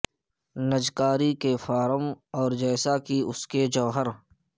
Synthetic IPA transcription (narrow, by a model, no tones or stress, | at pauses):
nəd͡ʒkaːɾikefaːɾəmɔːɾd͡ʒɛːsakiʊsked͡ʒɔːɦəɾ